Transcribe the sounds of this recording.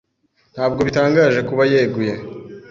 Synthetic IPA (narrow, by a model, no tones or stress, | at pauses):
n̥haːbɡo̞βitaːŋɡaːʒe̞kuβajeːɡuje